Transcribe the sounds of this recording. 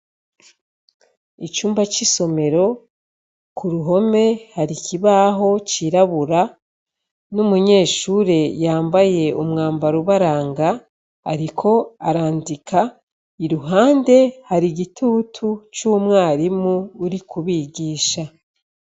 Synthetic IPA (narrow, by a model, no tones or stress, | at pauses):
it͡ʃuːmbat͡ʃiso̞me̞ɾo̞ | kuɾuɦo̞me̞haɾikiβaːɦo̞t͡ʃiɾaβuɾa | numuɲe̞ːʃuːɾe̞jaːmbaje̞ʔumŋaːmbaɾuβaɾaːŋɡa̰ː | ɾikʰo̞aɾaːndikʰa | iɾuɦaːnde̞haɾiɡitʰuːtʰut͡ʃuːmŋaːɾimuːɾikuβiɡiːʃa